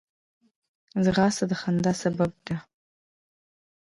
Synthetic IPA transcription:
zʁasadχandasabab̚da

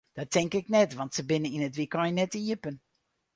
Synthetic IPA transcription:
d̥ɔtːɛŋkɪknɛtʋɑntsəbɪnəinətʋikɔnjənɛtiəpən

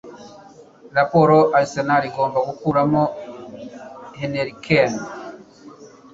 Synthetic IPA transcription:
ɾapoɾoʔalisenaɾiɡo̞ːmbaɡukuɾamo | heneɾikʰen

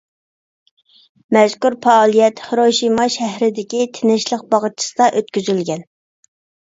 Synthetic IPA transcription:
mɛzkʲuɾpɑːlˠijɛt̪hɾoʃimɑʃæɦɾɪd̪ɪkʲit̪ʰɪnɪʃlˠəq̚bɑʁət̪̚t͡ʃʰi̥sɨd̪ɑʔøt̪kʲyzylɡʲɛn

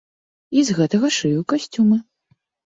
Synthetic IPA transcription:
izɣɛt̪ɐɣɐʂɨjukasʲt͡sʲumɐ

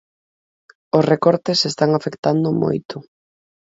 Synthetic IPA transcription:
osrekɔɾt̪esest̪aŋafekt̪and̪ʊmo̰jt̪ʊ

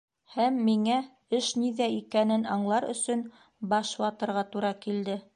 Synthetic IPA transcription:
hæmːiŋæ | ɘʃniðæikænɘnɑɴlˠɑɾɵ̰̆sɵn | bɑʃwɑt̪ɤ̆ɾʁɑt̪uɾɑkild̪ɘ

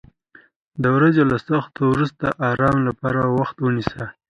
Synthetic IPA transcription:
d̪əwɾazelasaxt̪owɾust̪aʔɑɾɑmlapɑɾawaxt̪wənisa

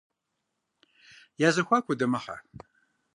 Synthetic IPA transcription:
jazɐxʷakʷʊdɐmɐħa̰

